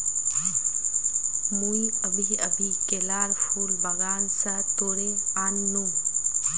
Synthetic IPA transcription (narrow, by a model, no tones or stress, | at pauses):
muiəbʱiəbʱiːkelaːɾpʰuːlbɐɡaːnsɐt̪oːɽeanːu